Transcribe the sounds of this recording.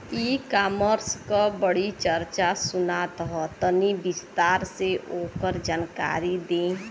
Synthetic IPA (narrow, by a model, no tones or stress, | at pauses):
iːkaːməɾskabəɽit͡ʃəɾt͡ʃasʊnat̪əɦɔt̪ənibɪst̪aːɾseʔoːkəɾd͡ʒaːnka̰ːɾid̪ẽ